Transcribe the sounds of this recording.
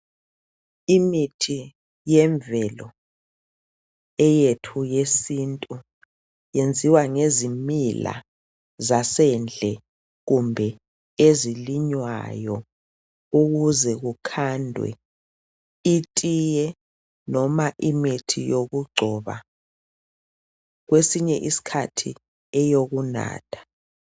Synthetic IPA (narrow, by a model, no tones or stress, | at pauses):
imitʰi | jɛɱvɛlɔ̰ | ɛjetʰujesintʼu | jend͡zʱiwaŋezimila̰ | zasɛnd͡ɮʱɛ | ɣumbʱɛ | eziliɲwa̰jɔ | uɣuzɛɣukʰandʱwɛ̰ | itʼijɛ | nɔmaʔimetʰijoɣuɡ͡ǀʱɔβa̰ | ɣwesiɲɛʔisi̥kʰatʰi | ɛjoɣuna̰ːtʰḁ